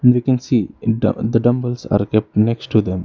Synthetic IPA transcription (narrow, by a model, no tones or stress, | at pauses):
ɛ̃ɳɖʋiːkɛ̃nsiːɖ̰d̪əɖʌ̃mbəlsa̰ːɾkɛp̚ʈneksʈːud̪ɛ̃m